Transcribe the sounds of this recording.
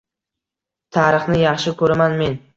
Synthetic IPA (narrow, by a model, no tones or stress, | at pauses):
t̪ʰaɾɨχnɪjɑχʃɪkʰɵɾamanme̞n